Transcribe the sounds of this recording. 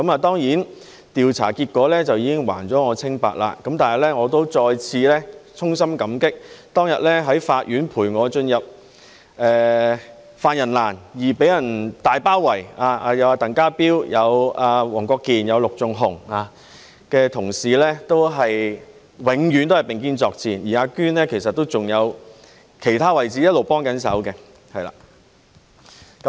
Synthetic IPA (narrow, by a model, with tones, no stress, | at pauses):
kɐ˨˥maː˨t̪ɔː˥ŋjiː˨˥n | t̪iː˨wt͡sʰa̰ː˨˩kiː˧t̚kːɔː˨˥lɛː˥t͡sɐ˨wjiː˨˧kɪ˥ŋwa̰ː˨˩nt͡sɔː˨˥ŋɔː˨˧t͡sʰɪ˥ŋpa̰ː˨˧t̚la̰ː˧kɐ˨˥mt̪aː˨nɦɐ˨jlɛː˥ŋɔː˨˧t̪o˥wt͡sɔː˧jt͡sʰiː˧lɛː˥t͡sʰʊ˥ŋsɐ˥mkɐ˨˥mkɪ˥k̚t̪ɔː˥ŋjɐ˨t̚lɛː˥ɦɐ˨˥jfaː˧t̚jyː˨˥npʰuː˨˩jŋɔː˨˧t͡ʃɵ˧njɐ˨p̚ | ɛː˨˧ | faː˧njɐ˨˩nla̰ː˨˩njiː˨˩pe˨˥jɐ˨˩nt̪aː˨jpaː˥wwɐ˨˩jaː˧aː˧jɐ˨˧waː˧t̪ɐ˨˩ŋkaː˥piː˥wjɐ˨˧waː˨˧wɔː˨˩ŋkʷɔː˧kːiː˨njɐ˨˧wlʊ˨k̚t͡sʊ˨ŋɦʊ˨˩ŋaː˧ | kɛː˧t̪ʰʊ˨˩ŋsiː˨˧lɛː˥t̪o˥wɦɐ˨j | wɪ˨˧ŋjy˨˧nt̪o˥whɐ˨jpɪ˨ŋk̬iː˥nt͡sɔː˧k̚t͡sʰiː˨˩njiː˨˩aː˧kyː˥nlɛː˥kʰe˨˩js̬ɐ˨t̪̚ːo˥wt͡sʊ˨ŋjɐ˨˧w | kʰe˨˩jt̪ʰaː˥wɐ˨jt͡siː˨˥jɐ˥t̚lo˨˩wpɔː˥ŋkɐ˨˥nsɐ̰˨˥wkɛ˧ | hɐ˨jla̰ː˨˩ | kɐ˦